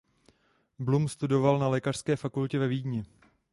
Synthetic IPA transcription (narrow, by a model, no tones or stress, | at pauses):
blumst̪udo̞valnalɛːkar̥skɛːfakulcɛvɛviːdɲɛ